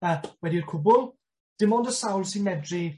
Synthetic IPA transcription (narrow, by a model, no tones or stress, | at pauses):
əːwɛdiːrkʰʊbʊlˠ | d̥ɪmɔndəsawlˠsinmɛdri